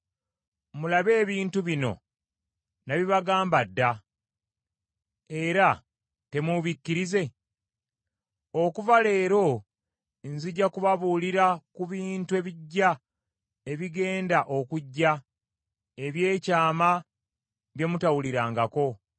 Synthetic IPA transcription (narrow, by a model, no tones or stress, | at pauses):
mulaβe̞ːβiːntuβino̞̰ | naβiβaɡaːmbadːa | e̞ɾa | te̞muβicːiɾize̞ | okuvale̞ːɾo̞ | nziɟːakuβaβuːliɾakuβiːntue̞βiɟːa | e̞βiɡe̞ːndaʔo̞kuɟːa | e̞βje̞ːcaːma | βje̞mutawuliɾaːŋɡako̞